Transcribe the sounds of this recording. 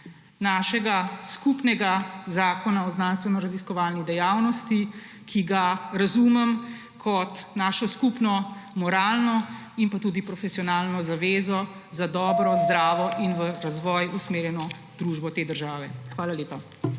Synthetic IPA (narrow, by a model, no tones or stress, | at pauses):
naʃɛɡaskupnɛɡazaːkɔnaɔznaːnst̪ʋɛnɔɾaziskɔʋaːlnid̪ɛjawnɔst̪i | kʰiɡaɾazumɛm | kʰɔt̪naːʃɔskupnɔmɔɾaːlnɔ | inpat̪uːd̪ipɾɔfɛsiɔnaːlnɔzaʋeːzɔ | zad̪ɔːbɾɔzd̪ɾaːʋɔʔinʋəɾazʋɔjusmeːɾjɛnɔ | d̪ɾuːʒbɔt̪eːd̪əɾʒaːʋɛxʋaːlaleːpa